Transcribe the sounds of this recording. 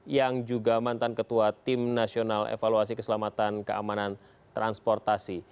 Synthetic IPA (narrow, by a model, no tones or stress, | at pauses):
jaŋd͡ʒuɡamant̪ankət̪uat̪ɪmnasionalḛfaluas̬ikəsəlamat̪ankəʔa̰manan | t̪ɾanspɔrt̪asi